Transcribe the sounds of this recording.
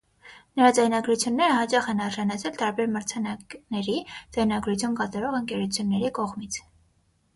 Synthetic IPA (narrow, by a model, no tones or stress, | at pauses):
nəɾɑd͡zɑjnɑɡɾut͡sʰjunːɛɾəhɑt͡ʃɑχɛnɑɾʒɑnɑt͡sʰɛlt̪ɑɾbɛɾməɾt͡sʰɑnɑknɛɾid͡zɑjnɑɡɾut͡sʰjunkɑt̪ɑɾɔʁəŋkɛɾut͡sʰjunːɛɾikɔʁmit͡sʰ